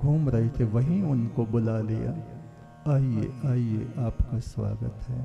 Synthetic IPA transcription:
ɡʱuːmɾɐɦit̪ʰeʋɐɦĩʊnkobʊlalija̰ | aːiḛaːieʔaːpkasʋa̰ːɡət̪ɦɛː

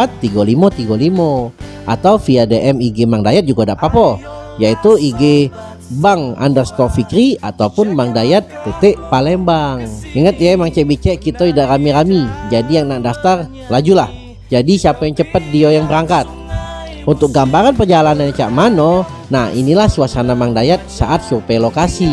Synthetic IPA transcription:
at̪ːiɡɔlimɔt̪iɡolimɔ | ʔa̰t̪awfiadeʔɛmiɡemaŋdajat̪̚d͡ʒuɡadaʔpapɔ | jait̪uiɡe | baŋa̰ndərst̪ɔfikɾiat̪aupʊnmaŋdajat̪̚pet̪ɛʔpalɛmbaŋiŋət̪jaemaŋt͡ʃɛʔbit͡ʃɛʔkit̪oidaʔramiɾamid͡ʒadijaŋnaʔdaft̪ar | lad͡ʒulah | d͡ʒadisiapajaŋt͡ʃəpət̪̚diojaŋbəɾaŋkat̪̚ | unt̪ʊk̚ɡambaɾanpərd͡ʒalananat͡ʃaʔmano | nahḭnilahsuasanamaŋdajat̪̚sa̰ʔat̪̚supalokasi

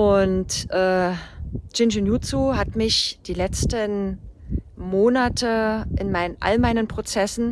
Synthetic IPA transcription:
ʔʊntʔɛː | d͡ʒ̥ɪnd͡ʒunjut͡suɦatmɪçd̥iːlɛt͡stən | moːnatʰəʔɪnmaɪnənʔa̰lmaɪnənpʁ̥ot͡sɛsn̩

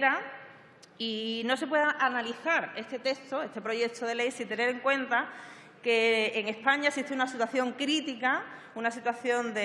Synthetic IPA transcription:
ɾa | ino̞se̞pweðaʔanaliθaɾe̞st̪e̞t̪e̞kst̪o̞e̞st̪e̞pɾo̞ʝje̞k̚t̪ʰo̞ð̞ele̞jsint̪e̞ne̞ɾe̞ŋkwe̞nt̪a | ke̞ːŋe̞spaɲaesiht̪eunasit̪waθjo̞ŋkɾit̪ika | unasit̪waθjo̞nd̪e

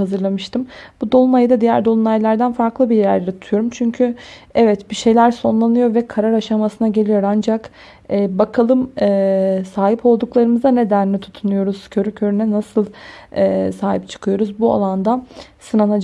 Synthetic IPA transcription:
azɯɾlˠamɯʃt̪ʰɯmb̥ud̪o̞lˠumajd̪ad̪ijæɾd̪o̞lˠumajlʲˠæɾd̪ænfaɾklˠɯbiɾjæɾlʲeɾit̪ʰut̪ʰujo̞ɾumt͡ʃʰyɲcʰyɛvɛt̪biʃe̞jlʲæɾso̞nlˠanɯjo̞ɾvɛkʰaɾaɾaʃamasɯnaɟe̞lʲijo̞ɾand͡ʒak | ɛːbakʰalˠɯmɛːsaːɦipo̞lˠd̪uklˠaɾɯmɯzane̞d̪ænlɛt̪ʰu̥t̪ʰunujo̞ɾuz̥cʰø̞ɾycʰø̞ɾynɛnasɯlˠɛːsaːɦip̚t͡ʃʰɯ̥kʰɯjo̞ɾuzbua̰lˠand̪asɯnanad͡ʒ

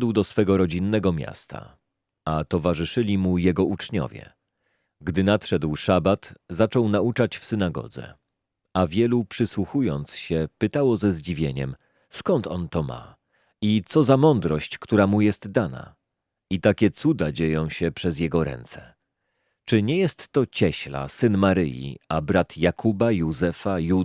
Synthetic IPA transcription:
d̪wd̪ɔsfɛɡɔɾɔd͡ʑinːɛɡɔmʲja̰st̪a̰ | at̪ɔvaʐɘʂɘlʲimujɛɡɔʔut͡ʂɲɔ̰vʲjɛ̰ | ɡd̪ɘnat̪ʂɛd̪wʂabat̪zat͡ʂɔwnaut͡ʂat͡ɕfsɘnaɡɔ̰d̪zɛ̰ | avʲjɛlupʂɘswuxujɔnt̪sɕɛpɘt̪awɔzɛzd͡ʑivʲjeɲɛ̰m | skɔnt̪ɔnt̪ɔma̰ | it̪sɔzamɔnd̪ɾɔɕt͡ɕkt̪uɾamujɛst̪d̪ana̰ | it̪akʲɛt̪sud̪ad͡ʑejɔ̃w̃ɕɛpʂɛzʲjɛɡɔɾɛ̰nt̪sɛ | t͡ʂɘɲɛjɛst̪ːɔt͡ɕɛɕla̰sɘnmaɾɘjḭabɾat̪jakʰubajuzɛfaju

